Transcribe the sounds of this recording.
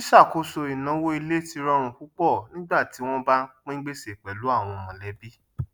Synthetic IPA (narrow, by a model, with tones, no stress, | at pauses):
i˦ʃa˦˨ko˧so˧i˨nã˨˦wo˦i˧le˦ti˧ɾɔ˧˦ɾ̃ũ˧ku˦k͡pɔ˦˨nĩ˦ɡ͡ba˦˨ti˨˦w̃ɔ̃˦ba˦k͡pĩ˦ɡ͡be˦se˨k͡pɛ˨lu˨˦a˦˨w̃ɔ̃˧mɔ̃˨lɛ˨˦bi˦